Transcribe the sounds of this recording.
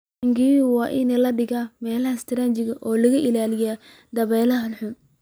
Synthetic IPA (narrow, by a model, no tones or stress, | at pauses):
ŋɡiːwɑːʔɪnɛlɐɖɪɣamɛːlɐhɐst̪ʰɪɾɐnt͡ʃɪɣɐʔɔːlɐɣɐʔɪlaːlɪja | d̪ɐβɛːlɐɦɐlħʊn